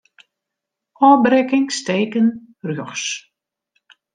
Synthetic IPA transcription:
ʔɔːbɾɪkɪŋsteːkən | rjoxs

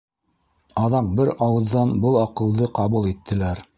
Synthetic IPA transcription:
ɑðɑq̚bɘɾɑwɤ̆ðːɑnbɤlˠɑqɤ̆lˠd̪ɤqɑβulˠit̪ʰːɘ̆læɾ

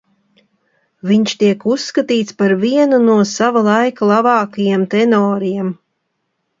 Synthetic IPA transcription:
viɲʃt̪iɛkusːkat̪iːt̪spaɾviɛnunuɔsavalˠajkalˠavɑːkajamt̪ɛnɔːɾijɛm

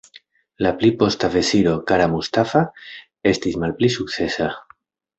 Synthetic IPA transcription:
laplipo̞st̪ave̞siɾo̞kaɾamust̪afa | e̞st̪ismalplisuk̚tt͡se̞sa

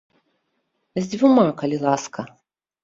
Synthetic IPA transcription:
zʲdʲvumakɐlʲilˠaskɐ

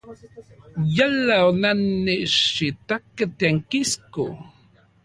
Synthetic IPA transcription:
jalawnanːiʔʃit̪akat̪aŋkiskṵ

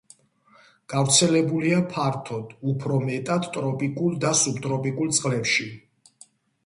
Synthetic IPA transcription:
ɡ̥avɾt̪sʰɛlɛbuliapʰaɾt̪ʰɔd̪̥upʰɾɔmɛt̪ʼad̪t̪ʼɾɔpʼikʼuld̪asubt̪ʼɾɔpʼikʼulˠt̪sʼqʼlɛpʃi

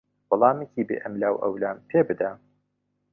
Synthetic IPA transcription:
wɐlˠɑːmecibḛʔɐmlaːwʔɐ̰wlaːmpʰeːbɨd̪a

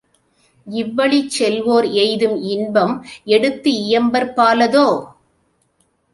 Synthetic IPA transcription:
ɪʋːɐɭit͡ʃːɛlʋoːɾɛɪðɯmɪnbɐmɛɽɯt̪ːɯɪjɐmbɐɾpaːlɐðoː

